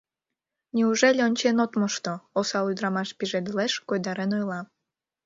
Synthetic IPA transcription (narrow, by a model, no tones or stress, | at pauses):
nʲiuʒelʲeonʲt͡ɕenot̪moʃt̪oosɑlud̪ɾɑmɑʃpiʒed̪leʃkojd̪ɑɾenojlˠɑ